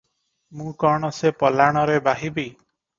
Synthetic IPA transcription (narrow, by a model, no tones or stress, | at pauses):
mũkɔɽ̃ɔsepɔlaɽ̃ɔɾebaɦibi